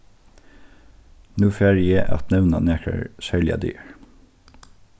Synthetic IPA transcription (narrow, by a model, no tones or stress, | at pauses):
nʉːfæɹɪjeːʔɑ̰t̪nɛʋnɑnæːkʰə̰ɹsœljɑ̰d̪y̰ːɹ